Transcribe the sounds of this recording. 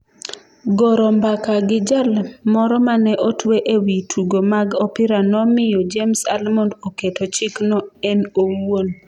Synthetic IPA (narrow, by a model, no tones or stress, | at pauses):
ɡoɾɔmbakaɡɪd͡ʒalmɔɾɔmanɛʔotweʔewitʰuɡomaɡɔpɪɾanɔmɪjod͡ʒemsalmondoketot͡ʃɪknɔɛnowon